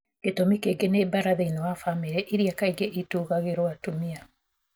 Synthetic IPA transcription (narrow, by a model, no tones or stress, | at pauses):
ketomikeɡenebaɾaðainɔwafameɾɛʔiɾiakaiɡeʔituːɣaɣeɾoatumia